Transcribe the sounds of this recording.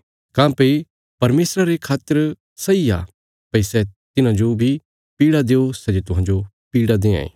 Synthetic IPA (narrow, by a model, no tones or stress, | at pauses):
kãːpei | pɐɾmeːsɾaɾekʰaːt̪əɾ | sɐia̰ː | pɐisɛt̪ɪnãd͡ʒobʱi | piːɽad̪eːosɛd͡ʒet̪ʊɦãːd͡ʒo | piːɽad̪ẽːã̰ːḛː